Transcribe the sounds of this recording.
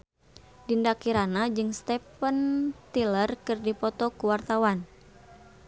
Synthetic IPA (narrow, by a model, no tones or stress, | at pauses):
dindakiɾanad͡ʒɨŋst̪ɛpənt̪ilərkɨrdipɔt̪ɔkuwart̪awan